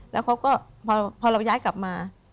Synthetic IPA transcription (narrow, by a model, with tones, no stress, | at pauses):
lɛ̰ː˦˥wkʰa˦˥wkɔː˥˩pʰɔː˧pʰɔː˧ɾa˧wjaː˦˥jka˨˩p̚maː˧